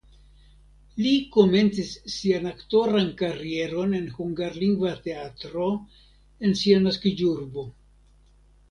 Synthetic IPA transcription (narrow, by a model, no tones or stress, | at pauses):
liko̞me̞nt͡sisːianakto̞ɾankaɾie̞ɾo̞ne̞nhuŋɡaɾliŋɡvate̞atɾo̞ | e̞nsianaskid͡ʒuɾbo̞